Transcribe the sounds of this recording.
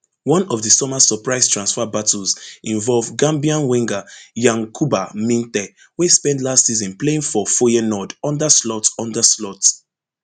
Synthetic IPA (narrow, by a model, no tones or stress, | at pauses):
wɔ̃nɔvðəsɔmasəpɹaɪstʰɹãnsfabatuzĩɱvɔlvɡãmbiãnwĩŋɡajãŋkʰubamĩntɛ | wespɛ̃ndlastsizɔ̃npleĩŋfɔfɔjinɔdɔ̃ndaslɔtɔ̃ndaslɔt